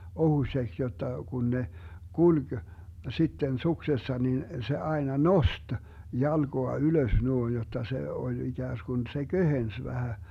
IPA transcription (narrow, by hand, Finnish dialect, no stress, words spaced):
ohusʲeks jotːɑ kun ne kulʲɡ̊ sitːen suksesːɑ nin se ɑenɑ nost jɑlɡ̊oɑ yløs nuoin jotˑɑ se olʲ iɡ̊æːsɡ̊un se ɡ̊øhens ʋæhæ